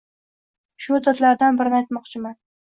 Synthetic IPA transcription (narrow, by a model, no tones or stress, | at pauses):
ʃʊd̪at̪laɾd̪anbɪɾɪnɪajt̪mɒqt͡ʃʰɪman